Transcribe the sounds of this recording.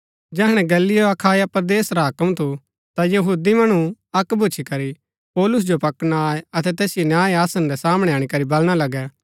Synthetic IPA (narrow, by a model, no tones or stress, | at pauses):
d͡ʒɛːɦɽ̃ɛ̃ɡɐlːijoɐkʰaːjapəɾd̪eːsɾaɦɐkəmt̪ʰu | t̪ajɐɦuːd̪imɐɽ̃uɐkbʱut͡ʃʰikɐɾi | pɔːlʊs̬d͡ʒopɐkñaːɐt̪ɛt̪ɛːsɪjonjaːeaːsənɾɛsaːmɽ̃ɛaːɽ̃ikɐɾibɐlɽ̃alɐɡɛː